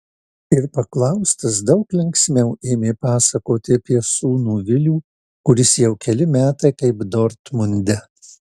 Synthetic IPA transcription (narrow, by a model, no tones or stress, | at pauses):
ɪɾpɐklˠɐʊst̪ɐsd̪ɐʊklʲɛŋksʲmʲɛʊʔeːmʲeːpɑːsɐkoːt̪ʲɪɐpʲiɛsuːnuːʋʲɪlʲuː | kʊɾʲɪsjɛʊkʲɛlʲɪmʲæːt̪ɐɪkɐɪpd̪ɔɾt̪mʊnʲd̪ʲɛ